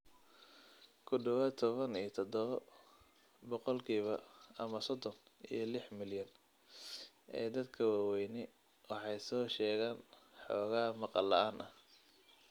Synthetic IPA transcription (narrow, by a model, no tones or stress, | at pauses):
kʰʊɖɐwɐt̪ʰɔβɐnijɞt̪ʰɔd̪ɔβɐ | bɔqɔlkʰiːβɐɐmɐsɔd̪ɔnḭjɞlɪħmɪljɐn | ʔɛ̰ːd̪ɐd̪kʰɐwɑːwɛjnɪ | wɑħɑjsɔːʃɛːɣaːnħɔːɣaːmɑqɑlɐʔaːnʔɐh